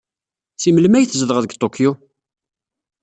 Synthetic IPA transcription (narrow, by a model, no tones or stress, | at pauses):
siməlmæjθzðəʁðəɡt̪ˤokʰːju